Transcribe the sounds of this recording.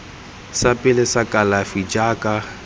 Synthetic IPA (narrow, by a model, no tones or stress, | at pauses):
sapʼɪlɪsakʼalafid͡ʒaːkʼa